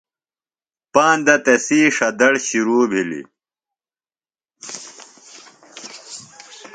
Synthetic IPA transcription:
paːnd̪ɐt̪ɐsiːʂɐd̪ɐɽɕiɾuːbʱilḭ

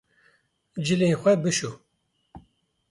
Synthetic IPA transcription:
d͡ʒɨleːxʷɛbɨʃu

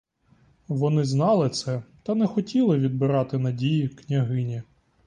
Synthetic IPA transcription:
ʋɔnɪznɑlˠɪt̪sɛt̪ɐnɛxɔtʲilˠɪʋʲid̪̚bɪɾɑt̪ɪnɐdʲijiknʲɐɦɪnʲi

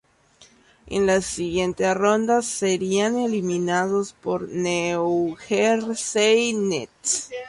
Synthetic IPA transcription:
ḛnlasiɣje̞nt̪e̞ro̞nd̪aseɾiane̞limĩnaðo̞spo̞ɾneoxeɾsejnet̪

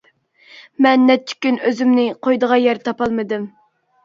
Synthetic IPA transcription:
mɛnːɛt̪ʰːy̥kʲynøzymnɪqʰojd̪əʁɑjɛɾt̪ʰɑpɑlˠmɨd̪ɨm

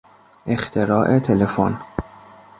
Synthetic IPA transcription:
ʔe̞xt̪ʰeɾɒːʔet̪ʰelefon

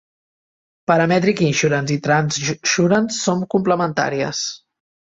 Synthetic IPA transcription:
pəɾəmɛt̪ɾikinʃuɾənzit̪ɾansʃuɾənsːoŋkumpləmənt̪a̰ɾiə̰s

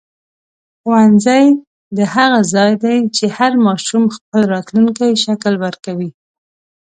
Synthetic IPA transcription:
xowanzaj | d̪əhaɣazɑjd̪ajt͡ʃehaɾmɑʃumxp̚əlɾɑt̪luŋkajʃaklwəɾkawi

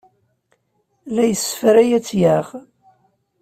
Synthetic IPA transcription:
læjəsə̥fɾæjæt͡sːjæʁ

